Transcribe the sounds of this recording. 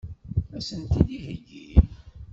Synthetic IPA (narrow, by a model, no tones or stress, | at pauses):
æsənt̪id̪ihəʝːḭm